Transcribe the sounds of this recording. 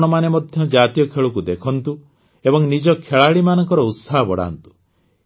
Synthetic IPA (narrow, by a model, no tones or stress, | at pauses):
ɽ̃ɔmanemɔd̪ʱjɔd͡ʒat̪ijɔkʰeɭuk̬ud̪ekʰɔnt̪u | ebɔŋnid͡ʒɔkʰeɭaɭimanɔŋkɔɾɔut̪saɦɔbɔɽa̰nt̪u̥